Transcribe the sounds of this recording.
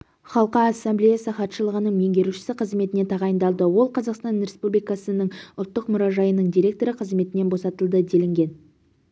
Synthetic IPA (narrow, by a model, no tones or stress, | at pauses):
χɑlˠqɑːsːemblejasəχɑt̪ʃəlˠəʁənəɴme̞ŋɡʲe̞ɾuʃɪ̥sɪqʰəzme̞t̪ɪne̞t̪ʰɑʁɑjənd̪ɑlˠd̪əwo̞lˠqʰɑzɑqst̪ɑnɾe̞spublijkɑsənəɴʊlˠt̪ːəqmʊɾɑʒɑjənəɴd̪ijɾe̞k̚t̪o̞ɾəqʰəzme̞t̪ɪne̞nbo̞sɑt̪əlˠd̪əd̪e̞lɪŋɡʲe̞n